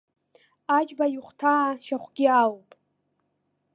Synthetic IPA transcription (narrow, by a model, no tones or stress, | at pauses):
at͡ʃʼbajuχʷtʰaːʃaχʷɡ̥ʲialpʼ